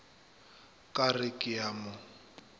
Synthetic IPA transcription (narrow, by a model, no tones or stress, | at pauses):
kʼarɪkʼɪamʊ